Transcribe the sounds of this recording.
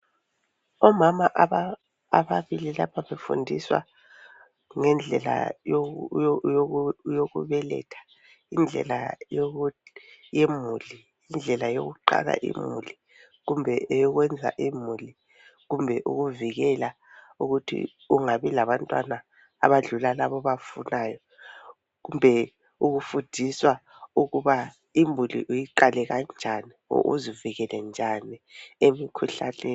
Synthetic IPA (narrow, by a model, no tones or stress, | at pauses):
ɔmamaʔaː | βaβililapʰaβefṵndʱiswa̰ | ŋɛnd͡ɮʱɛla̰ | ojoɣuβɛlɛ̰tʰḁ | ind͡ɮʱɛ̰lajo | jemuli | ind͡ɮʱɛlajoɣuǃa̰ɣa̰ʔḭmṵli | ɣumbʱɛʔejɔɣwɛnd͡zʱa̰ʔimuli | ɣumbʱɛʔuɣuviɣɛla | uɣutʰḭ | uŋaβilaβantʼwana̰ː | βaɮulalaβɔβafunajɔ | ɣumbʱɛ | uɣufud̥ʱiswa | uɣuβa | imulḭʔujiǃalɛɣand͡ʒʱaniɔ̰ʔṵziviɣɛlɛnd͡ʒʱaniemikʰuɬaleːn